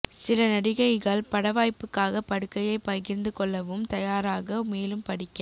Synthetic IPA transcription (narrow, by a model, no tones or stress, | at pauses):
sɪlɐnɐɽɪɣɐɪɣɐɭpɐɽɐʋaːjpːɯkːaːɣɐpɐɽɯkːɐjɐɪpɐɣɪɾnd̪ɯkɔɭːɐʋɯmt̪ɐjaːɾaːɣɐmeːlɯmpɐɽɪkːɐ